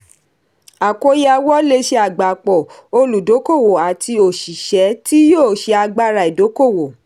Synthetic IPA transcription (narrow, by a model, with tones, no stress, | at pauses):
a˨ko˨˦ja˧wɔ˦le˦ʃe˧a˨ɡ͡ba˨k͡pɔ˨o˧lu˨do˨˦ko˦˨wo˨a˨tʰi˧o˨ʃi˨ʃɛ˨˦ti˦joː˦˨ʃɛ˧˦a˧ɡ͡ba˧ɾa˨i˨do˨˦ko˦˨wo˨